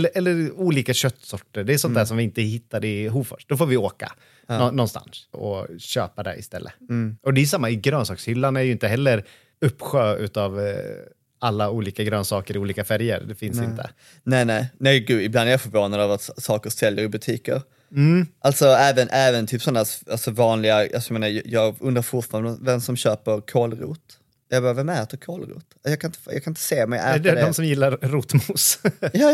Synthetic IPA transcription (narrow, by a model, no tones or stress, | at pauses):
lːəʔɛlːəɾuːliːkaɕœt̪ːsɔʈːəɖ̪ɛːsɔnt̪æːʂɔmvɪɪnt̪əɦɪt̪ːad̪ɪɦuːfœ̰ʂʈ̚d̪ɔfoːɾvɪoːka̰ | nɔnːɔnst̪a̰nsɔ̰ɕø̰ːpad̪ɛ̰ʔɪ̰st̪ɛlːʔə̰ɔd̪ɛːjʏsamːaɪɡɾœːnsɑːkshʏlːanæjɵɪnt̪əɦɛlːəɾ | ɵpːɧøːʉ̟ːt̪av | alːauːliːkaɡɾøːnsɑːkəɾɪuːliːkafæɾjə̰ɾd̪ɛfɪnsɪnt̪ʰə̰ | nɛɪnɛɪnɛɪɡʉ̟ːɪbland̪æɾjɑfœɾvoːnad̪ɑvat̪sɑːkəɾsɛljəɾɪbɵt̪ʰiːkə̰ɾ̩ | ʔalt̪sɔɛːvənʔɛːvənt̪ʰyːpsɔnːæːalsɔvɑːnlɪɡaa̰lsɔjmeːnajjɑːɡɵnd̪ɾaɾfʊʈfɑːɾanvɛmsɔmɕøːpəɾkʰoːlɾṵːt̪ | jɑːɡbɑːɾavɛmæɾt̪əkʰoːlɾṵːt̪jɑɡkʰanɪnt̪əjɑ̰ɡkʰanɪnt̪ə̥seːmɛjæ̰d̪ɛd̪ɛɔmsɔmjɪlːaɾɾuːt̪mʊsjɑː